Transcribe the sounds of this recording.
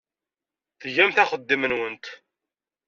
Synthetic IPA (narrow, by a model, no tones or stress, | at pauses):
θʝæmθæχəd̪ːimənwənt̪